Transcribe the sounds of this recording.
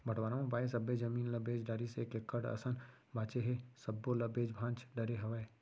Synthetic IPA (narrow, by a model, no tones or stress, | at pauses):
bʱəʈʋaːɾaõpaːesɐbed͡ʒɐmiːnlɐbeːd͡ʒɖaɾisekekːəɽɐ̰sən | baːt͡ʃeɦesɐbːolɐbeːd͡ʒbʱãːt͡ʃɖɐɾeɦɐʋəe